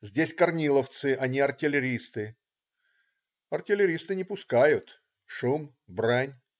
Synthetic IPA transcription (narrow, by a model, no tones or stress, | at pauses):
zʲdʲesʲkɐrnʲilˠəft̪sɨʔɐnʲiɐrtʲɪlʲɪɾʲist̪ɨ | ɐrtʲɪlʲɪɾʲist̪ɨnʲɪpʊskajʊt̪ | ʂum | branʲ